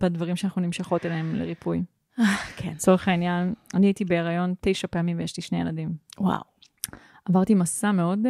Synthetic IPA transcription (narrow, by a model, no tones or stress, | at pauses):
badvaʁimʃeanaχnunimʃaχo̞teleemlḛʁipʰuj | akʰet͡so̞ʁeχainjananiaitibe̞eʁajo̞nte̞jʃape̞amimvejeʃliʃne̞jeladimwa̰w | avaʁtimasameo̞d